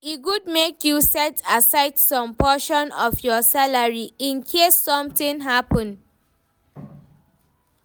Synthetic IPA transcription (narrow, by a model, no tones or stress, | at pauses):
iɡud̚mekjusɛtʰasaɪtsɔ̃mpɔʃɔ̃nɔfjɔsalaɹiĩnkʰesːɔ̃mtĩŋɦapə̃n